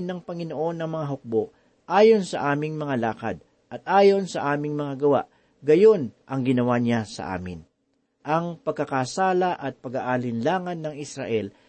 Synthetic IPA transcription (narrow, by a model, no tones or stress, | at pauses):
nːɐŋpɐŋɪnoʔo̞nːɐŋmɐŋaɦok̚bo̞ʔ | ʔaːjo̞nsɐʔaːmɪŋmɐŋalaːkɐ̰d̪̚ | ʔɐt̪̚ʔaːjo̞nsɐʔaːmɪŋmɐŋaɡɐwa̰ʔ | ɡɐjo̞nʔɐŋɡɪnɐwaɲasɐ̰ʔa̰ːmɪ̰n | ʔɐŋpɐɡ̚kɐkasaːlɐʔɐt̪̚pɐɡaʔalɪnlaːŋɐnːɐŋɪsɾa̰ʔɛl